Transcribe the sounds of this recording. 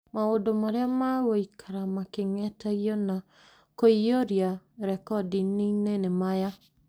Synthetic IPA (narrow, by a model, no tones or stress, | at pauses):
maodomaɾeamaɣoikʰaɾamakeŋɛtaɣjɔna | koioɾjaɾɛkɔdininenemaja